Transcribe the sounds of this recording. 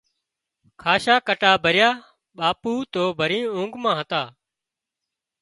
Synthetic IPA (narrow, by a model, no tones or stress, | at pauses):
kʰaːʃaːkəʈaːbʱəɾjaː | ɓaːpuːt̪oːbʱəɾĩːʊ̃ːŋɡmãːɦət̪aː